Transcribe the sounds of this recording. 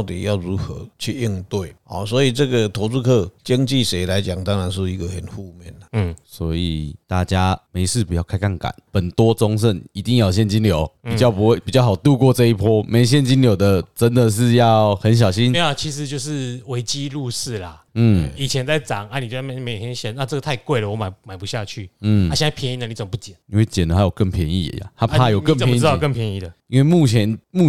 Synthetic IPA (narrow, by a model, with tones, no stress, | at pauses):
ʊt̪ḭ˨˩ja˥˩ʊɻu˧˥xə̰˧˦t͡ɕʰy˥˧i˥˧ŋt̪we˥˩ɪɔ̰˨˩swɔ˧˥i˨˩t͡sɤ˥˩ɡə˨t̪ʰo˧˦˥t͡su˥˧kʰɤ˥˧t͡ɕə˦˥ŋt͡ɕi˥˨ʂe˧˥ɪla˨˦ɪt͡ɕja˨˩˦ŋt̪ɑ˦˥ŋɻa˧˦nʂ̬ɻ̩˥˩i˧˥ɡə˨xə˨˩nhu˥˧mjɛ˥˩˨nə˩swɔ˧˦˥i˨˩t̪a˥˩t͡ɕja˦me˧˥ɪʂɻ̩˥˩pu˨˩jɑ˥˩ʊkʰa˥ɪkʰa˥˩ŋka̰˨˩˦npə˨˩nt̪wɔ˥˦t͡sɔ˥ŋʂ̬ə˥˩ni˧˥t̪i˥˧ŋja˥˩ʊɕ̬jɛ˥˩nt͡ɕi˦˥nljo˨˦ʊ˨˩t͡ɕjɑ˥˩ʊpu˧˥xwe˥˩ɪpi˨˩t͡ɕjɑ˥˩xa˨˩ʊt̪u˥˧kwɔ˥˧ʈ͡ʂɤ˥˧i˥˩pʰɔ˥me˧˥ɪɕ̬jɛ˥˨nt͡ɕi˥nljo˨˩ʊd̪ə˨ʈ͡ʂə˦nd̪ə˨ʂ̬ɻ̩˥˧jɑ˥˨˩ʊxə˧˦nɕ̬jɑ˨˩ʊɕi˦n˨˩t͡ɕʰi˧˥ʂɻ̩˨˩t͡ɕjo˥˧ʊʂɻ̩˥˩we˧˥ɪt͡ɕi˦˥lu˥˧ʂɹ̩˥˩la˩ | n̩˥˩i˨˩t͡ɕʰjɛ˧˦nt͡sa˥˩ɪʈ͡ʂɑ˨˩˦ŋa˧˦ni˨˩t͡ɕja˥˩˧e˧˥˩m˧˥jjɛ˧˥˦ɕjɛ˧˦na˥˧t͡sə˥˩ɡə˨˩a˥˧ɪkwe˥˩ɪlə˨˩wɔ˧˦ma˨˩ɪma˨˩ɪpu˧˦ɕja˥˧t͡ɕʰy˥˩n̩˥˩a˥˦ɕjna˥˩pʰjɛ˧˦ni˧nd̪ə˨ni˧˩t͡sə˨˩mə˦p̬u˥˩t͡ɕɛ˨˦ni˦nwe˥˩ɪt͡ɕjɛ˨˩nd̪ə˩ha˧˥jo˨˩kə˥˩ŋpʰjɛ˧˦nḭ˥˩ə̰˨˩ja̰˨˦t̪ʰa˦˥pʰa˥˧jo˨˩˦kə˥˨ŋpʰɛ˧˥˧kə˥˨pʰjɛ˧˦ni˥˧˩d̪ə˩i˦nwe˥˧ɪmu˥˩t͡ɕʰjɛ˧˦nmu˥˨